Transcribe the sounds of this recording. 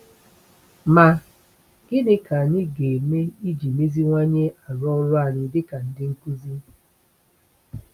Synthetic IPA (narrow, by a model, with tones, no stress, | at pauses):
ma˨ | ɡ̥ɪ˦dɪ˦ka˨ni˦ɡe˨me˦i˦d͡ʒi˨me˦zi˦ŋʷa˦ɲe˦a˨ɾɔ˦lʊ˦a˨ɾɪ˨dɪ˦ka˨n̩˨dɪ˦ŋ̩˦ku˦zi˦